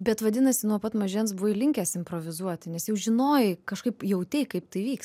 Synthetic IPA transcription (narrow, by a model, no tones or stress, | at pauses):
bʲɛt̪ʋɐd̪ʲɪnɐsʲɪnuɔpɐt̪mɐʒʲɛːnsbʊɪlʲɪŋʲkʲæːsɪmpɾoːʋʲɪzuɔt̪ʲɪnʲɛsjɛʊʒʲɪnoːjɪkɐʃkɐɪpjɛʊt̪ʲɛɪkɐɪpt̪ɐɪʋʲiːks